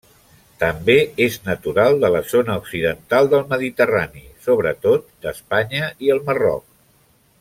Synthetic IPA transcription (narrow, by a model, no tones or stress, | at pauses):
t̪əmbeeznət̪uɾalˠd̪ələzonəuksiðənt̪alˠd̪əlˠməðit̪əranisoβɾət̪ot̪̚d̪əspaɲəiəlˠmərɔ̰k̚